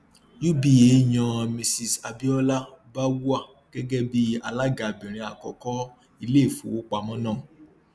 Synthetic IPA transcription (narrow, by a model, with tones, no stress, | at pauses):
ju˦bi˨je˨˦˨ɲ̃ã˨˧mĩ˧si˨sa˧bi˦ɔ˦la˦ba˦wu˦a˦˨ | ɡ̥ɛ˦ɡɛ˦bi˦a˧la˦ɡa˨bĩ˨ɾ̃ĩ˧a˨kɔ˨kɔ˦ | i˧le˦˨fũ˨˦wo˦k͡pa˧mɔ̃˦nã˦˨